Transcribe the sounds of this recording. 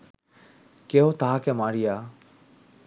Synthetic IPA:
keːɦõt̪aɦakeːmaːɾijaː

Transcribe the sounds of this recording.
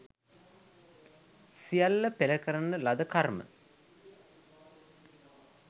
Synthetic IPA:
sijalːəpeləkəɾənəlad̪əkarmə̰

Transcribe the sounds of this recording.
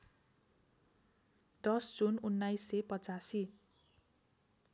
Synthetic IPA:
d̪̥ʌsd͡zununːajsːepʌt͡sasi

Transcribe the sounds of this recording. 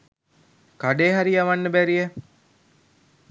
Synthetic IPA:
kaɖeːɦaɾiaʋanːəbæɾije

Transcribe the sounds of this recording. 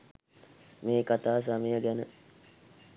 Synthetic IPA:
meːkat̪aːs̬aməjəɡænə

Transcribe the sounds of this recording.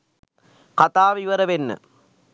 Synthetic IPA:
kɐt̪aːʋiʋɐɾɐʋenːɨ̰

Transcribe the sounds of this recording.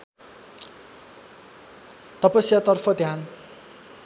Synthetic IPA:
t̪ʌpʌsjat̪ʌrpʰʌd̪ʱjan

